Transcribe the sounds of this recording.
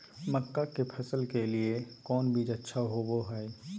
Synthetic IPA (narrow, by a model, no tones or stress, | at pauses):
məkːakepʰɐsəlkeliekɔːnbʱid͡ʒətːʃʰaɦoboɦɛe